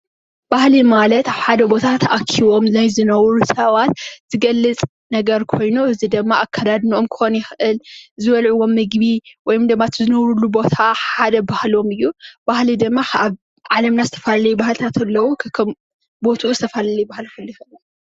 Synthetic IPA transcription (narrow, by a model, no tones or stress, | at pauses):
b̥ahlimalɐt̪aβħad̪ɐbo̞t̪ʰat̪ʰɐʔakʰːiβo̞mzajzɨnɐwɾusɐβat̪z̥ɨɡɐlːɨt͡sʼ | nɐɡɐɾkʰo̞jnuɨzid̪ɨmːaʔakʰːad̪ad̪nio̞mkʰɨ̥xo̞njɪxʔɨlzɨβɐlʕuwo̞mːɨɡbiwɔjomd̪ɨmːat̪ʰɨzɨnɐwɾulubo̞t̪ʰaħad̪ɐbahlo̞mɨjːub̥ahlid̪ɨmːaaβ | ʕalɐmnazɨt̪ʰɐfalɐlɐjubahlt̪ʰat̪ʰɐlːɐwokʰkʰɐm | bo̞t̪ʰuʔuzɨt̪ʰɐfalɐlɐjbahlkʰɨljɪxɨʔɨ